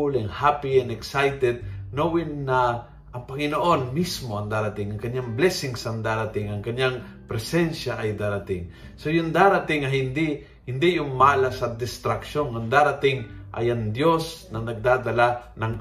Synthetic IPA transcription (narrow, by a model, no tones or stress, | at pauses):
ulɪŋhapiɛnɛksajt̪ɛd̪̚nowɪnːɐ | ʔɐŋpɐŋɪnoʔo̞nmismoɐŋd̪aːɾɐt̪ɪŋɐŋkɐɲjaŋblɛsɪŋsɐŋd̪aːɾat̪ɪŋɐŋkɐɲːaŋpɾɛsɛnʃaʔɐjd̪aɾat̪ɪŋ | sojʊŋd̪aːɾat̪ɪŋːɐɦɪnd̪i | hɪnd̪ijʊŋmaːlasɐd̪ɪst̪ɾɐkʃonaŋd̪aːɾat̪ɪŋʔɐ̰jɐŋd̪jo̞snɐnɐɡ̚d̪aːd̪ɐlanɐŋ